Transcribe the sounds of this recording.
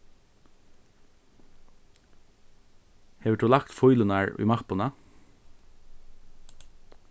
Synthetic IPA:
heːʋəʈuːlɑkt̪fɔʏlʊnæɹy̰ːmɑpʊnɑ

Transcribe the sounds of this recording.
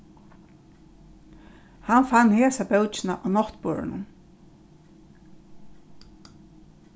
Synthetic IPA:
hanfanːheːsabœwt͡ʃɪnaʔanɔht̪po̰ːɹɪ̰nʊ̰n

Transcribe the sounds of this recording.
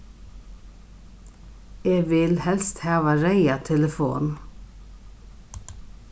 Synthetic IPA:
eːɡʋɪlhɛlst̪hɑːʋəɾæɪɑt̪ʰɛləfṵːn

